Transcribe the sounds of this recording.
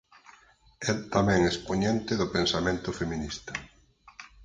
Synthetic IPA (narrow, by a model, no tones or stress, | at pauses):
ɛt̪amɛ̃ŋespoɲɛ̃nt̪ɪðʊpẽnsamẽnt̪ʊfemĩnist̪ɐ